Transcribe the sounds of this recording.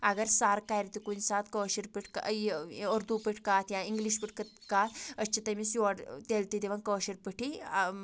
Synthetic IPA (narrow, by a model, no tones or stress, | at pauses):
aɡɐɾsaːɾkajɾt̪ikunsaːt̪kəʃiɾpiʈʰka̰əɾd̪upiʈʰkaːt̪ʰjãiŋɡliʃpiʈʰkɐt̪kaːt̪ʰət͡ʃʰit̪ɐmisɔɽt̪elt̪id̪eʋɐŋkəʃiɾpəʈʰi